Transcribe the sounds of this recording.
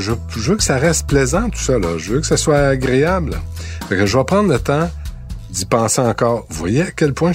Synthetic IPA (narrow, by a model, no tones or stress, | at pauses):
ʒə | ʒəvøkə̥saʁɛst̪̚plɛzɑ̃t̪u̥sʌlʌ̰ʒəvøkə̥saswaːɡʁeabl̰paɛkəʒəvapʁɑ̃ːd̪lət̪ã | d̪ipɑ̃ːseɑ̃kɑːʁvwa̰jeakʲɛlpwɛ̃